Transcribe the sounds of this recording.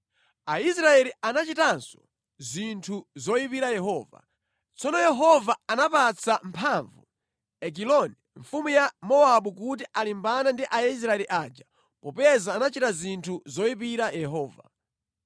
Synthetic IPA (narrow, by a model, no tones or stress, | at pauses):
aisɾaɛlianat͡ʃitansɔ̥ | zintʰuzɔjipiɾajɛɦɔːva̰ | t͡sɔnɔjɛɦɔvaanapat͡sʰampʰaɱvu | ɛk̬ilɔniɱfumujamɔaɓukut̬iʔalimbanandiʔais̬ɾaɛliʔad͡ʒa | pɔpɛzaːnat͡ʃitazintʰuzɔipiɾajɛɦɔːva̰